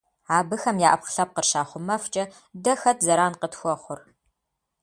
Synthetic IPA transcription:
aːbɨxɐmjaːʔɐpχɬɐp̚qərʃaːχʷʊmɐft͡ʃʼɐ | dɐxɐtʰzɐɾaːnqətxʷɔχʷʊr

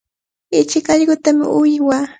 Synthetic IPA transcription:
ɪt͡ʃɪkɑʎɢʊt̪amɪ̰ʔʊjɪwaː

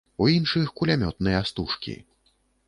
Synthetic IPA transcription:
uinʂɨxkulʲamʲɔt̪nɨjɐast̪uʂkʲḭ

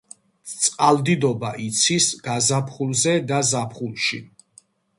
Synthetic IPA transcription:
t̪sʼqʼald̪id̪ɔbaʔit̪sʰisɡ̥azapʰχulˠzɛd̪azapʰχulˠʃḭ

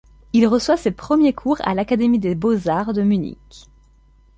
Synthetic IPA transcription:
ilʁəswasepχəmjekʰuʁa̰lakad̪emid̪ebozaʁd̪əmynḭk

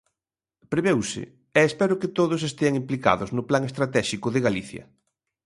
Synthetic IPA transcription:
pɾeβewsɪ̰ | ɛːspɛɾʊkɪt̪oðʊs̬est̪eaŋimplika̰ðʊznʊplaŋest̪ɾat̪ɛʃikʊðɪɣaliθjɐ̰

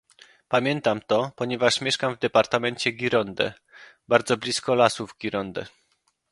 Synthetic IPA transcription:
pamʲjɛnt̪amt̪ɔpɔɲɛvaʂmʲjɛʂkamvd̪ɛpaɾt̪amɛɲt͡ɕɛɡʲiɾɔnd̪ɛ̰ | baɾd̪zɔblʲiskɔlasuvɡʲiɾɔnd̪ɛ̰

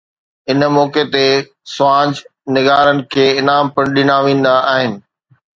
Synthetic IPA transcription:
ɪnmɔːket̪e | sʊãːd͡ʑnɪɡaːɾənɪ̆kʰeːɪnaːmpɐɽ̃ɗɪnaʋĩːn̆d̪aaːɦɪnɪ̆

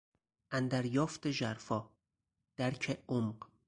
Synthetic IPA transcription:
ʔænd̪æɾjɒːft̪eʒæɾfɒː | d̪̥æɾcʰeomɢ

